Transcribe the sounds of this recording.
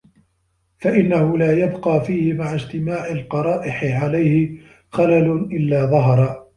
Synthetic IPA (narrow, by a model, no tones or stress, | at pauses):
faʔɪnːahʊlaːjabqɑːfiːhɪmaʕad͡ʒt̪ɪmaːʕalqɑɾˤɑːʔɪħɪʕalajhɪ | xalalʊʔɪlːaːðˤɑɦɑɾˤɑ